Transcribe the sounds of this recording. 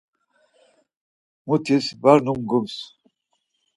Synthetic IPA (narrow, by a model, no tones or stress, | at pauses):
mut̪ʰisbaɾnumɡums